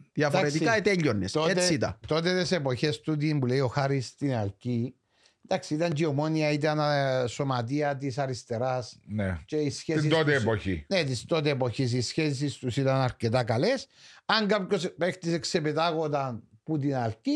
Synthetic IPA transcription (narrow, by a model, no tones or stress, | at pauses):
ðjɐfd̪oaɾet̪ikaet̪eʎːonːest̪oeeit̪ɐ̰t̪o̞t̪et̪ese̞po̞çe̞st̪ut̪̬imbule̞io̞xaɾist̪inɐlci | nd̪ɐksiit̪ɐɲd͡ʒio̞mo̞niɐit̪ɐnɐso̞mɐt̪̬iɐt̪̬isɐɾist̪e̞ɾɐsnet͡ʃe̞isçes̬it̪ot̪eːpoçḭnet̪ist̪o̞t̪eːpo̞çis̬isçes̬ist̪usit̪ɐnɐɾce̞t̪ɐkɐle̞s | ɐŋɡapcospext̪isekse̞pet̪aɣo̞t̪ɐnput̪̬inɐlci